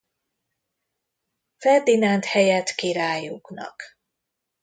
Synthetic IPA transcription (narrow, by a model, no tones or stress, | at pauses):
fɛrd̪inant̪hɛjɛt̪kiɾaːjuknɒ̰k